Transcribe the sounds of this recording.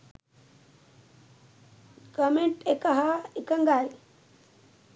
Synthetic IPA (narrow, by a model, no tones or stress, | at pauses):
kɐmeɳʈekaɦaikɐŋɡaj